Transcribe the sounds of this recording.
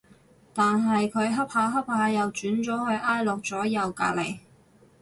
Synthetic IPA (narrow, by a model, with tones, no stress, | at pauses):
t̪aː˨nɦɐ˨jkʰɵ˨˧ɥɦɐ˥p̚haː˧˥ɦɐ˥p̚haː˨˧˥jɐ˨wt͡ʃyː˨˥nt͡sɔː˨˥hɵ˧ɥʔaː˥jlʊ˨k̚t͡sɔː˨˥jɐ˨˧wka̰ː˧lḛ˨˩j